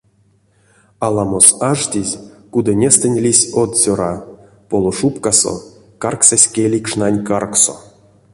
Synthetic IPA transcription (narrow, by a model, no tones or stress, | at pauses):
alˠamosaʐt̪ʲizʲkud̪anʲest̪enʲlʲisʲot̪sʲoɾa | polˠoʂupkaso̞̰ | karksasʲkʲelʲikʂnanʲkarkso̰